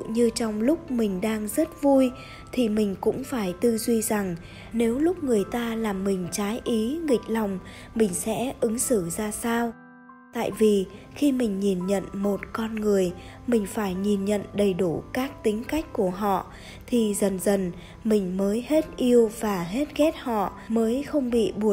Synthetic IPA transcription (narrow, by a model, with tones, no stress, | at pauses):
ɲɨ˧t͡ɕɔ˧wŋ͡mlʊ˦˥k͡p̚mï˨˩ŋ̟ɗaː˧ŋzə˦˥t̚vu˧j | t̪ʰi˨˩mï˨˩ŋ̟kʊ̰˧˥ŋ͡mfaː˧˩jt̪ɨ˧zwi˧za˨˩ŋ | ne˨˦wlʊ˦˥k͡p̚ŋɨ˨˩əjt̪aː˧laː˨˩mːï˨˩ŋ̟t͡ɕaː˨˦jʔi˨˦ŋï˨˩k̟̚lɔ˨˩wŋ͡m | mï˨˩ŋ̟sɛ̰˧˥ʔɨ˨˦ŋsɨ˧˩zaː˧saː˧w | t̪a̰ː˧˨jvi˨˩ | xi˧mï˨˩ŋ̟ɲi˨˩nɲə̰˧˨nmo˨˩t̚kɔ˧nŋɨ˨˩əjmï˨˩ŋ̟faː˧˩jɲi˨˩nɲə̰˧˨nɗə˨˩jɗu˧˩kaː˦˥k̚t̪ï˨˦ŋ̟ka˦˥jk̟̚ku˧˩əɦɔ̰˧˨ | t̪ʰi˨˩zə˨˩nzə˨˩n | mï˨˩ŋ̟məː˨˦jhe˦˥t̚ʔi˧əwvaː˨˩ɦe˦˥t̚ɣɛ˦˥t̚hɔ̰˧˨ | məː˨˦jxə˧wŋ͡mɓḭ˧˨ɓu˧˩